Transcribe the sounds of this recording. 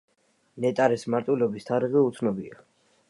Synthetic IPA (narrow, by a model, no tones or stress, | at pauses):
nɛt̪ʼaɾɛsmaɾt̪ʼwilɔbist̪ʰaɾiʁiut̪sʰnɔbia